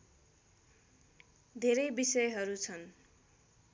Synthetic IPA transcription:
d̪ʱeɾʌjbisʌjɦʌɾut͡sʰʌn

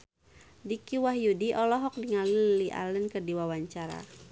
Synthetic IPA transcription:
dikiwaɦjudiʔɔlɔɦɔk̚diŋaliliʔa̰lənkərdiwawaɲt͡ʃaɾa̰

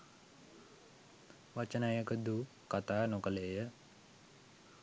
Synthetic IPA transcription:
ʋat͡ʃənajəkəd̪u | kat̪aːnokəleːjə

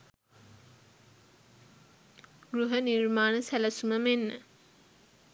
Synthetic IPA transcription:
ɡruɦənirmaːnəsæləsuməmenːə̰

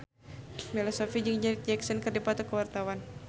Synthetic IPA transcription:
bɛlɔsɔfid͡ʒiŋd͡ʒɛd͡ʒɛksɔnkərdipat̪ɔkəwart̪awan

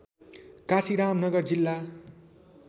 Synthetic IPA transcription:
kasiɾamnʌɡʌrd͡zilːa

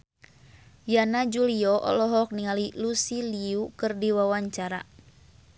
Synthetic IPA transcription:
janad͡ʒuliɔʔɔ̰lɔɦɔk̚niŋalilusiliukɨrdiwawaɲt͡ʃaɾa̰

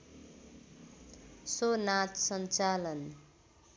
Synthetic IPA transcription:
sonat̪sʌnt͡salʌn

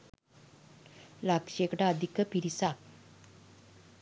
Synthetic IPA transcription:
lakɕekʈaəd̪ʱikəpiɾisak

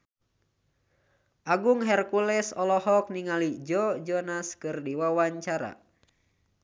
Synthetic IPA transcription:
ʔaɡuŋɦɛrkulɛsɔlɔhɔk̚niŋalid͡ʒɔd͡ʒɔnaskɨrdiwawaɲt͡ʃaɾa̰

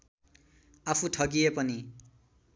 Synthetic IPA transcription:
apʰuʈʰʌɡiepʌni

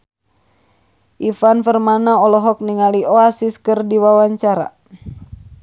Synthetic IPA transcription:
ʔifanfərmanaɔlɔɦɔk̚niŋaliɔasiskərdiwawaɲt͡ʃaɾa̰

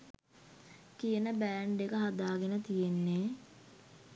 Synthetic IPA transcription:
kijənəbæːɳɖekəɦad̪aːɡenət̪ijenːe

